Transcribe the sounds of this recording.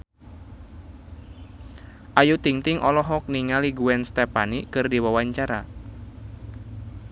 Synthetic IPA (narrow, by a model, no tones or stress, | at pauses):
ʔajut̪iŋt̪ɪŋʔɔlɔɦɔk̚niŋaliɡuɛnst̪ɛpanikɨrdiwawaɲt͡ʃaɾa